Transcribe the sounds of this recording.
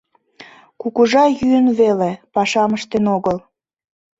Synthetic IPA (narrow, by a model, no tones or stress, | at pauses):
kukuʒɑjyənβelepɑʃɑməʃt̪enoɣəl